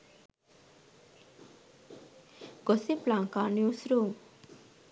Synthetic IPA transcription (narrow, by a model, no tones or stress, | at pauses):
ɡ̥ɔseplãŋkanjusɾo